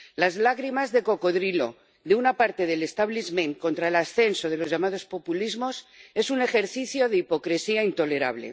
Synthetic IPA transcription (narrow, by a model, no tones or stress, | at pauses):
lazlaɣɾimazðe̞ko̞ko̞ðɾilo̞ | ðeunapaɾt̪e̞ð̞e̞lest̪aβlizmẽŋko̞nt̪ɾaelasθe̞nso̞ð̞e̞lo̞zʝamað̞o̞spo̞pulizmo̞se̞sune̞xe̞ɾθiθjo̞ðeipo̞kɾesiaint̪o̞le̞ɾa̰βle̞̰